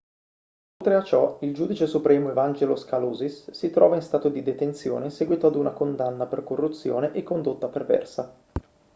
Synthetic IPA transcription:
olt̪ɾeat͡ʃːɔild͡ʒud̪it͡ʃesupɾɛːmoevand͡ʒeloskaloːzisːit̪ɾɔːvainst̪aːt̪od̪id̪et̪ent̪sjo̰ːnesɛɡwiːt̪oad̪unakond̪anːaperkorːut̪sːjo̰ːneʔekːond̪ot̪ːapervɛ̰rsa

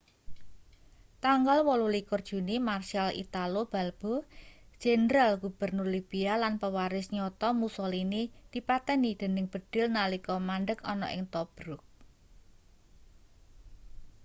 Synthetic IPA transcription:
t̪aŋɡalwɔlulikʊrd̥ʒ̥ṳnimarʃialʔḭt̪alob̥a̤lb̥od̥ʒ̥endɾalɡ̥ub̥ə̤rnʊrlib̥ialanpəwaɾɪsɲɔt̪ɔmusɔlinid̪̥i̤pat̪ɛnid̪̥e̤nɪŋb̥ə̤d̪̥ɪ̤lnalikɔmanɖəkɔnɔ̰ʔɪ̰ŋt̪ɔb̥ɾʊk̚

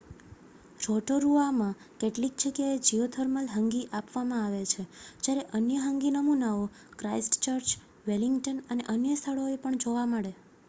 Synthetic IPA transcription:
ɾɔʈoɾuamã | keʈlik̚t͡ʃʰekeed͡ʒiot̪ʰəɾməlɦəŋɡiʔapʋamãaʋet͡ʃʰed͡ʒjaɾeʔənjəɦəŋɡinəmunao | kɾaisʈt͡ʃəɾt͡ʃ | ʋeliŋɡʈənəneʔənjəst̪ʰəɭoepəɳd͡ʒoʋaməɭe

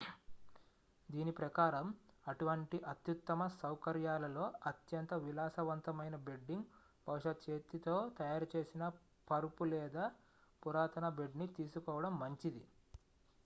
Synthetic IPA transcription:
d̪iːnipɾɐkaːɾɐmɐʈuʋɐɳʈiʔɐt̪jut̪ːɐmɐsɐwkɐɾjaːlɐlo̞ːɐt̪jɐnt̪ɐʋilaːsɐʋɐnt̪ɐmɐjnɐbe̞ɖːiŋɡ | bʱɐwuʂɐt̪t͡ʃeːt̪ːit̪o̞ːt̪ɐjaːɾut͡ʃe̞ːsinɐ | pɐɾupulɛːd̪aː | puɾaːt̪ɐnɐbe̞ɖnit̪iːsukɔːʋɐɽɐmːɐɲt͡ʃid̪i

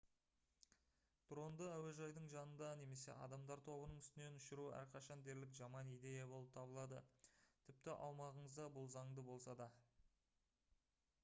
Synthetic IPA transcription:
t̪ɾo̞nd̪əæweʒɑjd̪əɴʒɑnənd̪ɑne̞me̞se̞̰ʔɑ̰d̪ɑmd̪ɑɾt̪ʰo̞bənəɴʏst̪ɪne̞nʊʃɪɾuæ̰ɾqʰɑʃɑnd̪e̞ɾlɪkʒɑmɑnijd̪e̞jɑbo̞lˠəp̚t̪ʰɑbəlˠɑd̪ə̰t̪ʰɪp̚t̪ɪʔɑ̰wmɑʁəɴəzd̪ɑbʊlˠzɑɴd̪əbo̞lˠsɑd̪ɑ

